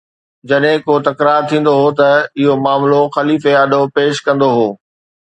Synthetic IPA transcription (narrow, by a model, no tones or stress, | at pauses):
d͡ʑɐɗɦɪ̃koːt̪ɐkɾaːɾt̪ʰĩːn̆d̪oɦoːt̪ɐɪɦomaːmloxɐliːfeaːɗʱopeːʃkɐ̃n̆d̪oɦoː